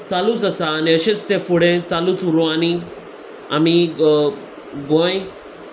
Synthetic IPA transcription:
t͡salũt͡səsaːniəɕẽt͡st̪ẽfuɽẽt͡saluːt͡suɾõani | a̰mi | ɡõj

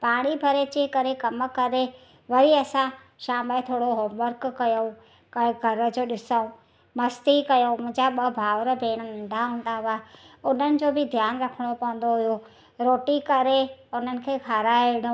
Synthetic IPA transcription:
paːɽ̃ibʱɐɾet͡ɕekɐɾekɐmkɐɾe | ʋɐɾiɐsã | ʃaːmət̪ʰoːɽoɦoːmʋəɾkkːɐjo | kɐ̃ɪ̃ɡʱɐɾə̆d͡ʑoːɗɪsəũ | mɐst̪ikɐjomʊ̃ɦɪ̃ɲd͡ʑaɓɐbʱaːʋɾə̆bʱeːɽ̃ənɐ̃nd̪ʱaɦʊ̃ːn̆d̪aʋaːeʊn̤ənɪ̆d͡ʑoːbɪd̪ʱjaːnɾɐkʰəɽ̃opɐ̃ʋə̃n̆d̪oɦʊjo | ɾoːʈikɐɾeʊn̤ənɪ̆kʰeːkʰaːɾaːeɽ̃õ

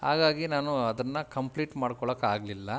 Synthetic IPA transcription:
haːɡaːɡinaːnuɐd̪ɐnːɐkɐmpliːʈmaːɽkɔɭɐkːaːɡlilːɐ

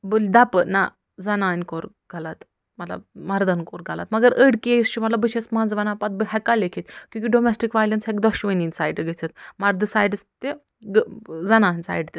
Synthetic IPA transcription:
bold̪apəna | d͡zɐnaːnʲkoɾ | ɡʱalat̪ | mɐla̰mɐɾd̪ənkoɾɡʱala̰t̪mɐɡɐɾʔəɽkest͡ʃumɐlabəɕesmand͡zʋɐnapat̪̚bəɦakalekʰit̪kʲjũkʲiɖomesʈikʋajlənsɦekd̪ɔɕʋəninsajɖɡet͡sʰət̪maɾd̪əsajɖst̪e | ɡəd͡zɐnaːnʲsa̰jɖt̪e

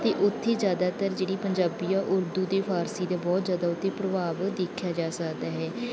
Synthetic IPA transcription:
t̪eːʔʊt̪ʰːeːzjaːd̪aːt̪əɾd͡ʒeːɽiːpəɲd͡ʒaːbijãːʔʊɾd̪uːd̪eːpʰaːɾsiːd̪aːbɔːt̪zjaːd̪aːʊt̪ʰːeːpɾəbaːʋd̪eːkʰjaːd͡ʒaːsəkd̪aːɦɛː

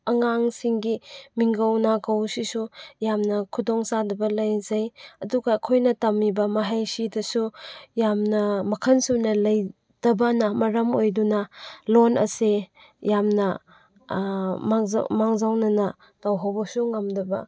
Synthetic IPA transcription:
ɐŋaŋsiŋɡimiŋɡɐwnakɐwsisujamnɐkʰudɔŋsadɐbɐlɐjzajɐduɡɐːkʰojnɐtɐmːibɐmɐɦajsidɐsujamnɐmɐkʰɐnsunɐlɐj | d̥ɐbɐnɐmɐɾɐmojdunɐlonɐ̰se | jamnɐ | ma̰maŋzawnɐnɐ | tawɦawbɐsuŋɐmdɐbɐ̰

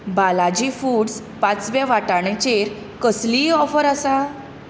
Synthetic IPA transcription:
balad͡ʑifuːɽs | pãt͡sʋaʋaʈaɽ̃ẽt͡ɕeɾ | kəsliːɔfəɾasa

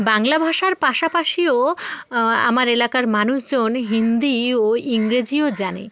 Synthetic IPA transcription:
baŋlabʱaʃaɾpaʃapaʃio | a̰maɾelakaɾmanuʃd͡ʑonɦind̪ioiŋɾed͡ʑiod͡ʑanḛ

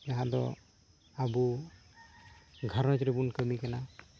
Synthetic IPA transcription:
jaɦãdɔ̰ | abu | ɡʱaɾɔtɾɛbunkəmikana

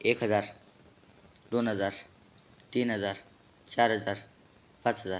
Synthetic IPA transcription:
eːkɦɐzaːɾ | d̪onɦəzaːɾ | t̪iːnɦəzaːɾ | t͡ʃaːɾɦəzaːɾ | pɐ̃t͡sɦəzaːɾ

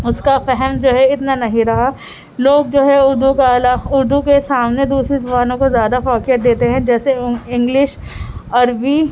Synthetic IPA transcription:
ʊskafɛɦɛmd͡ʒoːɦɛɪt̪nanɐɦĩɾɐɦa | loːɡ̚d͡ʒoːɦɛʊɾd̪ukalaʊɾd̪ukesaːmned̪uːsɾizʋaːnõkozjaːd̪afaːkɪjəɾ̚d̪eːt̪eɦɛ̃d͡ʒɛːseɪ̃ŋɡlɪʃɐɾbi

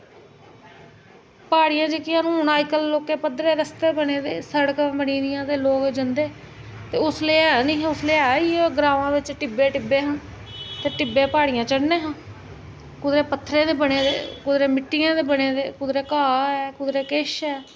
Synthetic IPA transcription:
paːɽijãːd͡ʒekɪãːnũːɦnaːikəlːoːkeːpəd̪ɾeːɾəst̪eːbəneːd̪eːsəɽkːbəniːd̪ɪjãːt̪eːloːkd͡ʒənd̪eː | t̪eːʊsleːɛːnĩːɦʊsleːaːiːɡɾaːʋãːʋɪt͡ʃʈɪbeːʈɪbːeːɦə̃n | t̪eːʈɪbeːpaːɽijãːt͡ʃəɽneːɦə̃n | kʊd̪ɾeːpət̪ʰːɾẽːd̪eːbəneːd̪ḛːkʊd̪ɾeːmɪʈːɪjãːd̪eːbəɽeːd̪ḛːkʊd̪ɾeːkaːɛːkʊd̪ɾeːkeːʃɛː

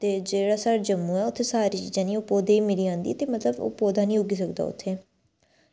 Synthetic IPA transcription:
t̪eːd͡ʒeːɽaːsaːɾd͡ʒəmːuːɛːʊt̪ʰːeːsaːɾiːt͡ʃiːd͡ʒãːnĩːoːpoːd̪eːimɪɾiːãːnd̪ḭt̪eːmət̪ləbo̰ːpoːd̪aːnĩːʊɡiːsəkd̪a̰ːʊ̰t̪ʰːeː

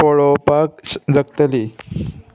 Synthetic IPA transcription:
oɭopak̚d͡zək̚t̪əli

